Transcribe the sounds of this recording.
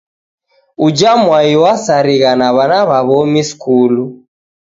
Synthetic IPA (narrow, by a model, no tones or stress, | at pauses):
ud͡ʒamwaiwasaɾiɣanaβanaβaβɔmiskulu